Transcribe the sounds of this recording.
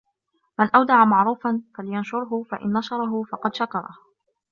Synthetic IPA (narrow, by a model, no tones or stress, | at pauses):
manʔawd̪ɑʕamaʕɾuːfanfalɪjanʃʊɾˤɦʊfa̰ʔɪ̰nːɑʃɑɾˤɑɦʊfɑqɑd̪ʃakɑɾˤɑ̰h